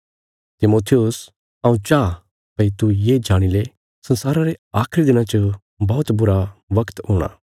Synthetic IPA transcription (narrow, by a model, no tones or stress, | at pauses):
t̪ɪmoːt̪ʰijʊs | ɐ̃ũt͡ʃaː | pɐit̪ujed͡ʒaːɽ̃ile | sɐ̃nsaːɾaɾeaːkʰɾid̪ɪnãt͡ʃə | bɔːʊt̪bʊɾaʋɐkt̪ɦoːɽ̃a̰ː